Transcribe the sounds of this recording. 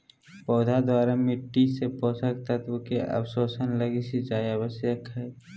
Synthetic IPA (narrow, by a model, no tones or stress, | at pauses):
pɔːd̪ʱad̪waːɾamɪʈːisepɔːsəkt̪at̪okeʔə̰bsoːsənləɡisid͡ʒaːjəbəsjəkɦɛː